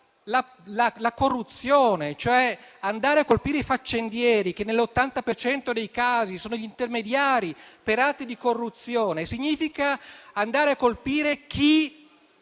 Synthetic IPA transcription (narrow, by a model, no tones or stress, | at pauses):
la | lalakorːut̪sːjoːnet͡ʃoɛand̪aːɾeakːolpiːɾeifat͡ʃːend̪jɛːɾikenːelːot̪ːant̪apert͡ʃɛnt̪od̪ejkaːzisoːnoʎint̪ermed̪jaːɾipeɾat̪ːid̪ikorːut̪sjoːnesiɲːiːfikaːnd̪aːɾeakːolpiːɾek̟ʰi